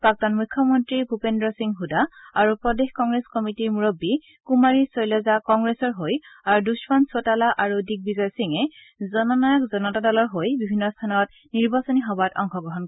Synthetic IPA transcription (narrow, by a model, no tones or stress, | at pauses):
pak̚tanmujkʰːɔmɔntɹibʱupendɹɔsiŋɦudaaɹupɹɔdexkɔŋɡɹeskɔmitiɹmuɹɔbːi | kumaɹisɔjlɔzakɔŋɡɹesɔɹɦojaɹuduspɔnsotalaʔaɹudik̚bizɔjɔsiŋɛ | zɔnɔnajakzɔnɔtadɔlɔɹɦojbibʱinːɔstʰanɔt̚ | niɹbasɔniɦɔbatɔ̰ŋxɔɡɹɔɦɔnk